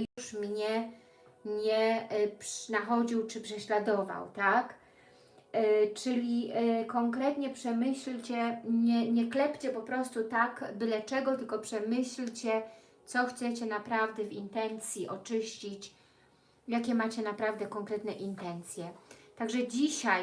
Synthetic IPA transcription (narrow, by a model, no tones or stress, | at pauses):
juʂmɲɛ | ɲɛpʂnaxɔd͡ʑiwt͡ʂɘpʂɛɕlad̪ɔva̰wt̪ak | t͡ʂɘlʲikɔŋkɾɛt̪ɲɛpʂɛmɘɕlt͡ɕɛɲɛɲɛklɛpt͡ɕɛpɔpɾɔst̪ut̪akbɘlɛt͡ʂɛɡɔt̪ɘlkɔpʂɛmɘɕlt͡ɕɛ | t̪sɔxt̪sɛt͡ɕɛnapɾavd̪ɛvint̪ɛnt̪sʲjiʔɔt͡ʂɘɕt͡ɕit͡ɕ | jakʲɛmat͡ɕɛnapɾavd̪ɛkɔŋkɾɛt̪nɛʔint̪ɛnt̪sʲjɛt̪aɡʐɛd͡ʑiɕaj